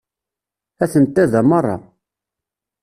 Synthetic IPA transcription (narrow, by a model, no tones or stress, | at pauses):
æθənt̪ːæðæmərˤːɑ̰